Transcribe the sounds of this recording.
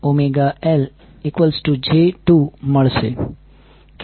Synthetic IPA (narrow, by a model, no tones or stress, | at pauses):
omeɡael | ikʋəlsʈud͡ʒeʈuməɭʃḛ | k